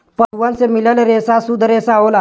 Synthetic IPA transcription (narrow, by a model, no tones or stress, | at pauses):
pəɽʋansemiləleɾesasud̪ɾesaola